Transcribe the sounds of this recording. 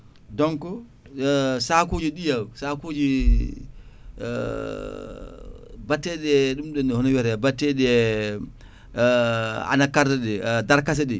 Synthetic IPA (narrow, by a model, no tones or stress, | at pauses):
dɔŋkɔ | sakod͡ʒiɗijawsakod͡ʒi | batːɛɗɛɗumɗɔnːɛhɔnɔwɛɾɛbatːɛɗɛ | a̰nakaɾdɛɗɛdaɾkas̬ɛɗɛ